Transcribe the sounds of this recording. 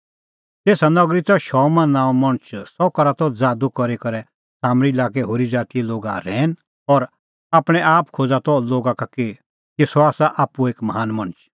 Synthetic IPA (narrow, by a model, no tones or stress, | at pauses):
t̪eːsanɐɡɾit̪ɔʃɔmɐ̃nːãːmɐɽ̃ət͡ʃʰsɔkɐɾat̪ɔd͡zaːd̪ukɔɾekɐɾɛ | saːmɾilaːkɛɦoːɾid͡zaːt̪iloːɡaɾɛ̃ːn | ɔɾ | aːpɽ̃ɛʔaːpkʰoːd͡zat̪ɔloːɡakake | kesɔaːsaʔaːpueːkmɐɦaːnmɐɽ̃ət͡ʃʰ